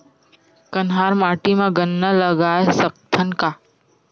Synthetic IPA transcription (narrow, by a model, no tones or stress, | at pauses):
kənɦaːɾmaːʈimãɡənːələɡaːesəp̚t̪ʰənka